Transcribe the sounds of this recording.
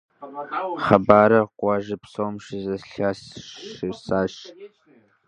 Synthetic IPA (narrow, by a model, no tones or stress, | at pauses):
χɐbaːɾɐqʷɑʒɪpsomʃɪzɐɬaːsɪsaːʃ